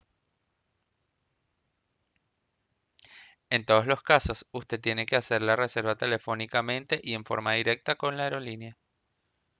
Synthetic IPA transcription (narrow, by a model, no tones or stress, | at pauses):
e̞nt̪o̞ð̞oslo̞skaso̞sust̪e̞t̪ːjene̞kease̞ɾlarese̞ɾβat̪e̞le̞fo̞nikamẽ̞nt̪e̞ʔie̞ɱfo̞̰ɾmaðiɾe̞k̚t̪ako̞nlaeɾo̞linja